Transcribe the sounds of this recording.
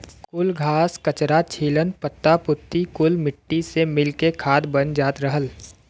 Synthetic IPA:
kʊlɡʱaːskət͡ʃɾat͡ʃʰiːlənpət̪ːapʊt̪ːikʊlmɪʈːisemɪlkekʰaːd̪bənd͡ʒaːt̪ɾəɦəl

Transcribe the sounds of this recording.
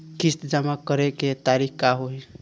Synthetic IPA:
kist̪d͡ʒəmakəɾeket̪aɾikkaɦoj

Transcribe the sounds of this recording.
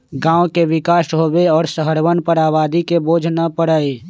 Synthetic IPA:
ɡãːõkeʋɪkaːʃɦoːbeɔːɾsəɦəɾwənpəɾaːʋaːd̪ikeboːd͡ʒʱnəpəɽəe

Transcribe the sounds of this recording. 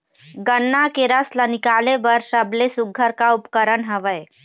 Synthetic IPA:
ɡənːakeɾəslənɪkalebəɾsəblesuɡʱːəɾkaupkəɾəɳɦəʋəj

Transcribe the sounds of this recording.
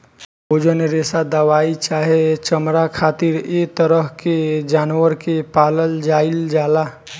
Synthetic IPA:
ɦod͡ʒəneɾesad̪əʋait͡ʃaɦet͡ʃəmɾakʰat̪iɾet̪əɾəɦked͡ʒanwəɾkepaləld͡ʒaild͡ʒala

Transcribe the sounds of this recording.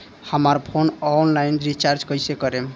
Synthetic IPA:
həmaɾpʰonɔnlajnɾit͡ʃaɾd͡ʒkəjsekəɾem

